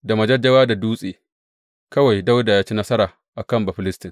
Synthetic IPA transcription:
da˨mɐ˨d͡ʒɐ˦d͡ʒɐ˦waː˦da˨duː˦sʼeː˨ | kɐ˦wa˨jda˦wda˨jaː˦t͡ʃi˦nɐ˦sɐ˦ɾaː˨ | ʔa˨kɐ˦˨mbɐ˨ɸɪ˦lɪ˦stɪ˨ŋ

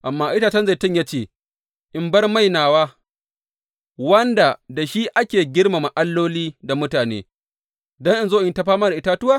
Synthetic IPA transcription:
ʔa˨mːaː˦ʔɪ˦ta˦t͡ʃɐ˦nza˨tʊ˦ɲjaː˦t͡ʃeː˦˨ | ʔɪ˨mbɐ˦rma˦˨jnaː˨waː˦ | wɐ˦nda˨da˨ʃi˦ʔa˦kʲeː˨ɡʲɪ˦ɽma˨ma˨ʔa˦lːoː˦liː˦da˨mʊ˦taː˨nḛː˦ | dɔ˦ŋʔɪ˨nzoː˦ʔɪ˨˦ta˦ɸaː˦maː˦da˨ʔɪ˦taː˦tʊ˦waː˦˨

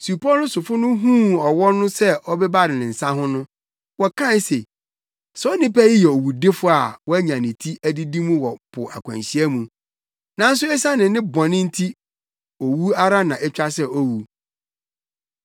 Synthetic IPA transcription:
su˨pɔ˦nʊ̃˦sʊ˨fʊ˦nʊ̃˦ɦũ˦ɔ˨wɔ˦nʊ̃˦sɛ˦ʔɔ˦bɛ˦ba˦˨ɾɪ˨nɪ̃˨n̩˨sã˦ɦʊ̃˦nʊ̃˦ | wɔ˨kʰã˦n˦se˨ | sɔ˦nɪ̃˦pæ˦ji˦jɛ˨o˨wu˨de˦fʊ˦a˨wɔ˦æ˦ɲã˨nɪ̃˨tʰi˦æ˦di˦di˦mũ˦wɔ˨pʰʊ˨ʔa˨kʷʰã̰˨nɕi˦æ˦mũ˨ | nã˦n̩˦s̬ʊ˦ɛ˦sã˦nɪ̃˨nɪ̃˦bɔ̃˨nɪ̃˦n̩˦tʰi˦ | o˨wu˦a˦ɾa˦nã˨ɛ˦t͡ɕᶣa˦sɛ˦ɔ˦wu˨

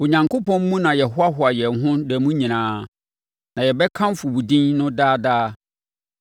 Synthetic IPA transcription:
o˨ɲã˨ŋko˦pʰɔ̃˦m̩˦mũ˦nã˨jɛ˨ɦʊ˦a˦ɦʊ˨a˨jɛ˨ŋ˨ɦʊ̃˦dɛ˨mũ˦ɲĩ˨nãː˨˦ | nã˨jɛ˨bɛ˦kʰã˦m˦fʊ˨wu˨dĩ˦nnʊ̃˦daː˦daː˦

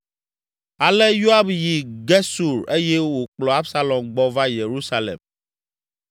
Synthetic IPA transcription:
a˨lɛ˦jo˦a˦bji˨ɡe˦su˨ɾe˦jɛ˦wo˨k͡plɔ˨a˦bsa˦lɔ̃˨mɡ͡bɔ˦va˦je˨ɾu˦sa˦lḛ˨m

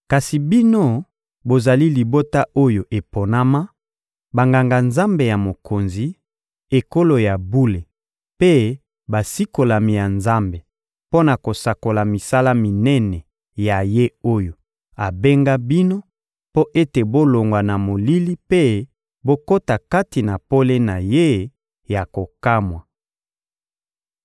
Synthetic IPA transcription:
ka˨si˨bi˦no˦ | bo˨za˨li˦li˨bo˦ta˦o˦jo˨ʔe˨po˨na˦ma˦ | ba˨ŋɡa˨ŋɡa˨nza˦mbe˨ja˨mo˨kʰo˨nzi˨ | e˨ko˦lo˨ja˨bu˦le˨ | pe˦ | ba˨si˦ko˨la˨mi˨ja˨nza˦mbe˨ | po˦na˨ko˨sa˨ko˨la˨mi˨sa˦la˦mi˨nɛ˦nɛ˨ | ja˨je˦o˦jo˨ | a˨be˦ŋɡa˦bi˦no˦ | po˦ʔe˦te˨bo˦lo˨ŋɡwa˨na˨mo˨li˦li˦pe˦ | bo˦ko˦ta˨ka˦ti˨na˨po˦le˦na˨je˦ | ja˨ko˨ka˦mwa˨

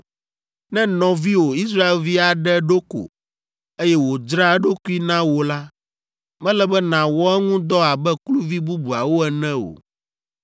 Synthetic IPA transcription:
nɛ̃˦nɔ̃˨vi˦wo˨i˦sɾa˦e˦lvi˦a˨ɖɛ˦ɖo˦ko̰˨ | e˦jɛ˦wo˨d͡ʒɾa˦˨ɖo˦ku˦i˦nã˦wo˨la˦ | mɛ̃˦lɛ˦bɛ˦nã˨wɔ˦ɛ˦ŋũ˦d̪ɔ˦a˨bɛ˦klu˦vi˦bu˦bu˨a˨wo˦ɛ˨nɛ̃˦o̰˨

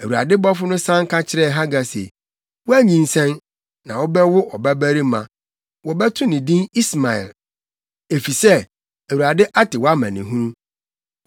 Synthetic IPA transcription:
æ˨wu˨ɾa̰˨dɪ˦bɔ˦fʊ˦nʊ̃˦sã˦ŋ˦kʰa˦t͡ɕʰɪ˦ɾɛ˦˨ɦa˦ɡa˨sḛ˨ | wɔ˦æ˦ɲĩ˨n˨sɛ̃˦n | nã˨wɔ˦bɛ˦wʊ˦ʔɔ˨bæ˦bæ˦ɾi˦mã̰˨ | wɔ˨bɛ˦tʰʊ̃˦nɪ̃˨dĩ˦ni˦sma˨ɛ̰˨l | e˨fi˨sɛ˦ | æ˨wu˨ɾa˨dɪ˦ʔa˦tɪ˨wɔ˦a˦mæ̰̃˨nɪ̃˨ɦũ˦

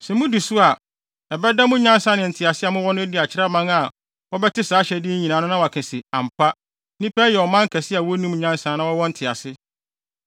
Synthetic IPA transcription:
sɛ̃˨mʊ̃˦di˨sʊ˦a˨ | ɛ˨bɛ˦dã˦mʊ̃˦ɲã˦n˦sã˦nɪ̃˨n̩˨tʰɪ˨a˨sɪ˦a˨mʊ̃˦wɔ˦nʊ̃˦dɪ˨a˨t͡ɕʰɪ˦ɾa˦mã˦ŋa˨ | wɔ˦bɛ˦tɪ˦saː˨˦ɕɛ˨dɪ˦ɲi˨nã˨nʊ̃˦nã˦wɔ˨a˨kʰɪ̃˨sɪ˨ã˨m˨pʰa˦ | nĩ˦pɛ˦jɛ˨ɔ˨mã˦ŋ˦kʰɛ˨sɪ˦a˨wɔ˦nũ˦m˨ɲã˦n˦sã˨˦nã˦wɔ˦wɔ˦n̩˦tʰɪ˨a̰˨sɪ˦

